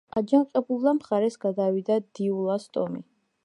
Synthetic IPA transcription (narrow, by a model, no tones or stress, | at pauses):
ad͡ʒaŋqʼɛbulˠd̪amχaɾɛsɡad̪awid̪ad̪̥iulˠast̪ʼɔ̰mḭ